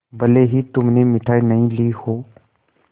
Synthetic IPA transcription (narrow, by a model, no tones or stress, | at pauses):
bəleːɦiːt̪ʊmneːmɪʈʰaːiːnəɦĩliːhoː